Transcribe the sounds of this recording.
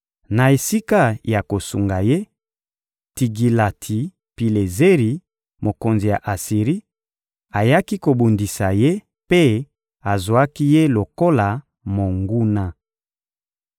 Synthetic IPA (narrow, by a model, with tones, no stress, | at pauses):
na˨e˨si˦ka˦ja˨ko˨su˨ŋɡa˨je˦ | ti˨ɡi˨la˨tʰi˨ | pi˨le˨ze˦ʁi˨ | mo˨ko˨nzi˨ja̰˨ʔa˨si˨ʁi˦ | a˨ja˦ki˦ko˨bu˨ndi˨sa˨je˦ | pe˦ | a˨zwa˦ki˦je˦lo˨ko˦la˨ | mo˨ŋɡu˦na˦